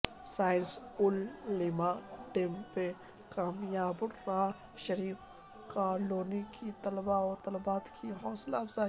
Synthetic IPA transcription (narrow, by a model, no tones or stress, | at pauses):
saːɪnsʊlːimaːɖempe | kaːmjaːbʊɾːaː | ʃɐɾiːf | kaːloːnikʰit̪ɐlbaɔːt̪ɐlbaːt̪kʰiɦɔːslafza